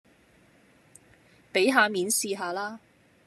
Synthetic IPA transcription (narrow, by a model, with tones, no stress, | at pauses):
pe˨˥jɦaː˨˧miː˨˧nsiː˧ɦaː˨˧laː˥